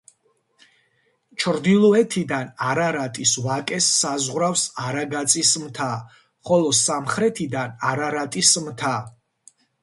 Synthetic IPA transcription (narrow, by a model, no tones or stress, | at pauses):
t͡ʃʰɾd̪ilˠɔɛt̪ʰid̪anaɾaɾat̪ʼisvakʼɛsːazʁɾafsaɾaɡat̪sʼismt̪ʰa | χɔlˠɔsamχɾɛt̪ʰid̪anaɾaɾat̪ʼismt̪ʰa